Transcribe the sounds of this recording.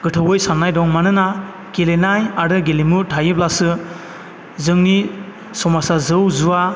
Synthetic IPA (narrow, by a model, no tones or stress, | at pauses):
ɡ̥ɯtʰɯwɯjsanːajdɔŋmanɯna | ɡ̥elenajaɾɯɡelimutʰajɯplasɯ | zɯŋni | sɔmasazɯwzua